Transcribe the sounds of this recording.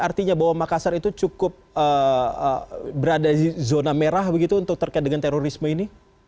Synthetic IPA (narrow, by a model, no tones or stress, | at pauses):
art̪iɲabaɦwamakasaɾit̪ut͡ʃukʊp̚əəbəɾadaizonameɾahbəɡit̪uːnt̪ʊk̚t̪ərkaɪt̪̚dəŋant̪eɾoɾisməini